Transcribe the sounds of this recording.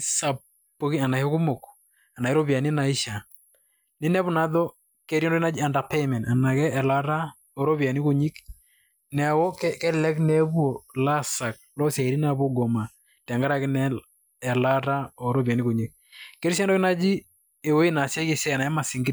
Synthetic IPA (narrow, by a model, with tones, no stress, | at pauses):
sa˨ | pːo˦ki˦a˨na˨hɔ˦kʊ˦mo˨k | a˨na˨i˦ɾɔ˦bja˨ni˦na˨i˦ʃa˨ | nɪ˦nɛ˦βʊ˨na˦ðɔ˦ | kɛ˦ɾi˦ɛndɔ˦na˦d͡ʒi˦a˨nda˨pe˦mɛ˨na˨na˨kɛ˦ɛ˨la˦ɾa˦ | ɔ˨ɾɔ˦bja˨ni˦ku˨ɲi˦k | nɛ˨wɔ˦kɛkɛ˦lɛ˦knɛ˦bu˦o˨la˦sa˨k̚lɔ˦sja˨i˨ɾi˦na˨bɔ˦ɡɔ˨ma˨ | tɛ˨ŋɡa˦ɾa˦kɪ˦nɛ˦ | ɛ˨la˦ta˦ɔ˨ɾɔ˦ba˨ni˦ku˨ɲi˦k̚ | kɛ˦ɾi˦sɛ˦ndɔ˦kɪ˦na˦d͡ʒi˦ | e˨wo˦i˦na˨sjɛ˦ki˨sɛ˦˨na˨a˦ma˨si˨ŋɡɪ˦